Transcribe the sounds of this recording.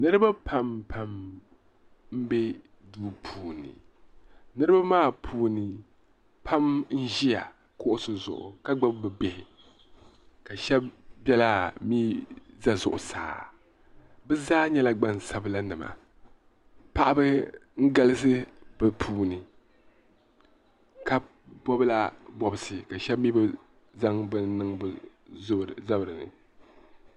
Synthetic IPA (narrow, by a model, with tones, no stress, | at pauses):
nɨ˦ɾɨ˦ba˦pʰa˨mpʰa˨m | m̩˦bɛ˦ | duː˦pʰuː˨nɨ̰˨ | nɨ˦ɾɨ˦ba˦maː˦˨pʰuː˨nɨ˨ | pʰa˦mn̩˦ʒi˦ja̰˨ | kʊ˦ʔʊ˦sʊ˨zʊ̰˨ʔʊ̰˨ka˦ɡ͡ba˦bbɨ˨be˨hɪ˨ | ka˨ʃɛ˦b̚bjɛ˦la˦miː˦za˦zʊ̰˨ʔʊ̰˨sa̰ː˨ | bɨ˦zaː˦ɲɛ˦la˦ɡ͡ba˦n˨sa˨bla˦nɨ˨ma̰˨ | pa˦ʔa˦bɨ˦ŋ̩˦ɡa˦lɨ˦s̬ɨ˦bɨ˦pʰuː˦nɨ˨ | ka˦ | bɔ˦bɨ˦la˦bɔ˦bɨ˦sɨ˨ka˨ʃɛ˦b̚mi˦bɨ˦ | za˦ŋbɨ˦n˦nɨ˦ŋb | za˦bɨ˨ɾɨ˨nɨ̰˨